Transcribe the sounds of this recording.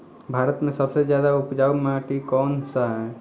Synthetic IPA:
bʱaɾət̪mẽsəbsed͡ʒjad̪aupd͡ʒaumaʈikɔːnsaɦɛ

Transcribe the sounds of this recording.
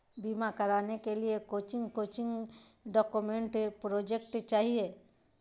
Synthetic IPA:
bimakɐɾaːnekeliekoːt͡ʃɪŋɡkoːt͡ʃɪ̃ŋɡɖɔkumẽɳʈpɾod͡ʒekʈt͡ʃaːɦie

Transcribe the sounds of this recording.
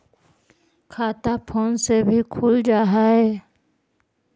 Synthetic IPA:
kʰaːt̪apʰoːnsebʱikʰʊld͡ʒaːɦaɦeː

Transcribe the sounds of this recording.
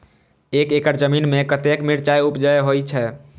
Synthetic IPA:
ekekəɾd͡ʒəminmekət̪ekmiɾt͡ʃajupd͡ʒajɦojt͡ʃʰɛ

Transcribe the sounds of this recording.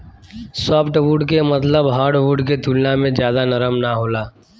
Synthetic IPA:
sɔːpʰʈʋuːɖkemət̪ləbɦaːɾɖʋuːɖket̪uːlnamẽd͡ʒjaːd̪anəɾəmnaɦoːlaː

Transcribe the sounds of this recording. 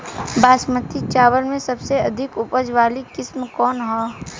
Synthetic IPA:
baːsmət̪ʰit͡ʃaːwəlmẽsɐbseɐd̪ʱɪkʊpəd͡ʒwaːlikɪsmkɔːnɦɔː

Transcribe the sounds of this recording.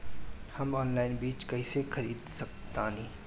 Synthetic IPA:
hɐmɔːnlaːɪnbiːt͡ʃkɐisexʰɐɾiːd̪sɐk̚t̪aːnĩː

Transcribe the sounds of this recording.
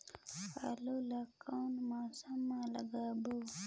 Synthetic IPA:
ha̰loːlaːkanmaːsamːãːləɡaːboː

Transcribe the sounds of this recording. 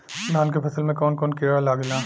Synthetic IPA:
naːnkepʰɐsəlmẽkɔːnkɔːnkeːɽalaːɡnaː

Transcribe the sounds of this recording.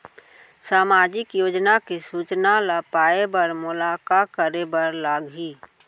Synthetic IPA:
saːmaːd͡ʒɪkjoːd͡ʒnakisuːt͡ʃnalapaːebəɾmʊlaːkakəɾebəɾlaːɡɦiː

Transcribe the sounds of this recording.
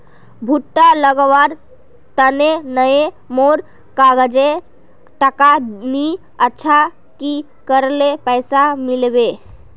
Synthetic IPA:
bʱuʈːaləɡəwaɾ | t̪ənenəe | moɾ | kaɡəd͡ʒe | ʈəkani | ətːʃʰa | ki | kəɾlepəjsamilbe

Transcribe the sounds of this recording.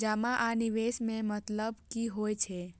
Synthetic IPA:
d͡ʒəmaʔaniʋesmẽmət̪ləbkiɦojt͡ʃʰɛ

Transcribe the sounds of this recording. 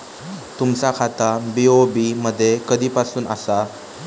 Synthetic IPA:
t̪umsakʰat̪abiobiməd̪ʱːjekəd̪iːpasuːna̰sa

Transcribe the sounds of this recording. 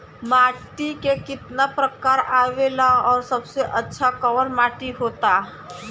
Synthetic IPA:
maːʈikekɪt̪napɾəkaːɾaːʋeːlaɔːɾsɐbseʔɐtːʃʰakɐʋəɾmaːʈiɦoːt̪a

